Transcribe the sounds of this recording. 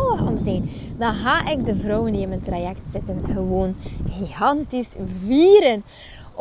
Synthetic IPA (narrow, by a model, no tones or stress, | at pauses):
ɔmzɛn | dɑnɦaːʔɪkdəvrɔwəndiɪməntrajɛktsɪtənxəʋoːnɣiɣɑntisviːɾən